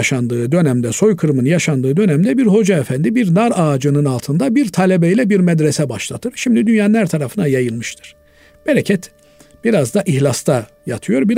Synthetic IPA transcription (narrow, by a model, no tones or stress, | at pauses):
ʃand̪ɯːd̪ø̞næmd̪ɛso̞jkʰɯɾmɯnjaʃand̪ɯːd̪ø̞næmd̪ɛbiɾho̞d͡ʒaɛfænd̪ibiɾnaɾaːd͡ʒɯnɯnalˠt̪ʰɯnd̪abiɾt̪ʰalʲɛbɛilʲɛbiɾmɛd̪ɾɛsɛbaʃlˠat̪ʰɯɾ̥ʃimd̪id̪ynjannˠæɾt̪ʰaɾafɯnajajɯlˠmɯʃt̪ʰɯ̥ɾ̥ | b̥ɛɾɛcʰɛt̪ | b̥iɾazd̪aʔiçlʲˠast̪ʰa | jat̪ʰɯjo̞ɾbiɾ